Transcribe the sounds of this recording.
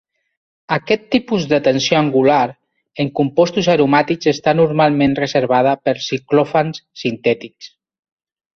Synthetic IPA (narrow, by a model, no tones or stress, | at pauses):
akɛt̪ːipuzðət̪ənsjoaŋɡulaɾ | eŋkumpɔst̪uzaɾumat̪ikzest̪anuɾmalˠmẽnrəzeɾβ̞að̞əpəɾsiklɔfanssint̪ɛt̪iks